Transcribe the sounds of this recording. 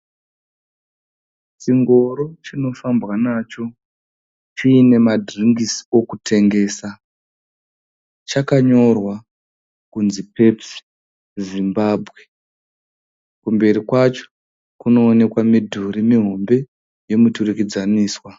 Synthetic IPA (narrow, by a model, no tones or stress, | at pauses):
t͡ʃiŋɡo̞ɾo̞t͡ʃino̞fambwanaːt͡ʃo̞ | t͡ʃiːne̞madʱriŋɡisio̞kutʰe̞ŋɡe̞ːsa | t͡ʃakaɲo̞rwa | kunzipe̞psi̥ | zimbaːbʱɣe | kumbe̞ɾikwat͡ʃo̥ | kuno̞ːne̞kwamidʱuɾimiɦo̞mbe̞ | je̞muturikid͡zaniːswa